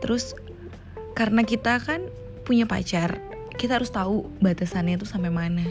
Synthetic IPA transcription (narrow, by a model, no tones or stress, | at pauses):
t̪əɾʔʊs | kaɾənakit̪akan | puɲapa̰t͡ʃar | kit̪ahaɾʊst̪aubat̪asanɲat̪usampajmana